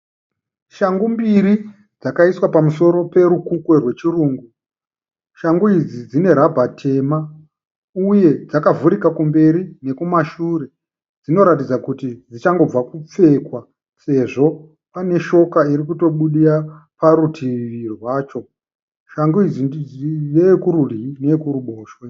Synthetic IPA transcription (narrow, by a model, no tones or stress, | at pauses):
ʃaŋɡumbiɾi | d͡zakaiswapamuso̞ɾo̞pe̞ɾukukwe̞rwe̞t͡ʃiruːŋɡu | ʃaŋɡuid͡zid͡zine̞ɾabʱatʰe̞ːma | uje̞d͡zakavuɾikakumbe̞ɾine̞kumaʃuɾe̞ | d͡zino̞ɾat̬id͡zakutid͡zit͡ʃaŋɡo̞b͡vakup͡fe̞kwa | se̞ʐo̞ | pane̞ʃo̞kaiɾikuto̞ɓuɗiɾapaɾutʰiʋirwaːt͡ʃo̞ | ʃaŋɡuid͡ziiʋekuɾurine̞kuruɓoːʃwe